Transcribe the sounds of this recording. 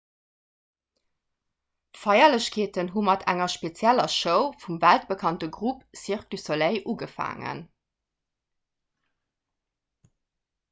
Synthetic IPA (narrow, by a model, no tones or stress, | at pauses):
tfɑɪɐləɕkʰeːtənɦumɑtʰæ̰ŋɐʃpet͡sjælɐʃəʊfumvælt̚b̥əkʰɑntəɡʁupsiχklysoleɪʔuːɡəfa̰ːŋə̰n